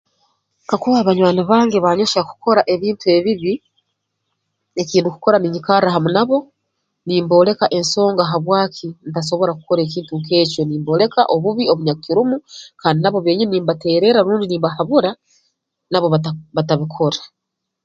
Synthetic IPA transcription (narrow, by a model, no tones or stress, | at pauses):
kakuβaːβaɲwaːniβaːŋɡeβaɲo̞ʃaku̥ko̞ɾaʔe̞βiːntue̞βiβi | e̞ciːnduku̥ko̞ɾaniɲikaɾaɦamunaβo̞ | niːmbo̞ːle̞kaʔe̞nso̞ːŋɡaɦaβwaːkʰinitas̬o̞βo̞ɾaku̥ko̞ɾe̞ːc̬iːntuŋke̞ːco̞niːmbo̞ːle̞ka̰ʔo̞βuβio̞βuɲakkiɾumukaːndinaβo̞βe̞ːɲiniːmbate̞ːɾe̞ɾaɾuːndiniːmbahaβuɾa | naβo̞βaβataβikʰo̞ɾḁ